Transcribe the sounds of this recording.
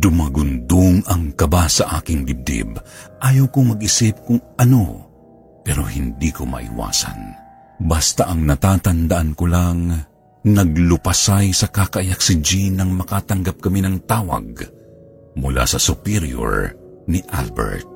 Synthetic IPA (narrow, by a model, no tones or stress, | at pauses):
d̪ʊmaɡʊnd̪oŋɐŋkɐbasɐʔaːkɪŋd̪ɪb̚d̪ɪ̰bʔaːjɐwkomɐɡ̚ʔɪsɪp̚kʊŋʔɐno̞ | pɛːɾo̞hɪnd̪ikomɐ̰ʔḭwa̰ːsɐ̰n | bast̪aʔɐŋnɐt̪aːt̪ɐnd̪ɐʔankolaŋ | nɐɡ̚lʊpɐsajsɐkakɐʔajak̚sɪd͡ʒinɐŋmɐkaːt̪ɐŋɡap̚kɐminɐŋt̪aːwɐ̰ɡ̚ | mʊla̰sɐsʊpiɾjo̰ɹ | niʔa̰lbɛ̰ɹt̪̚